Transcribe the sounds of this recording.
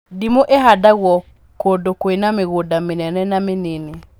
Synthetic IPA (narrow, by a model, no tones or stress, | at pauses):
dimoʔeɦadaɣwɔ | kodokoenameɣodamenɛnɛnamenene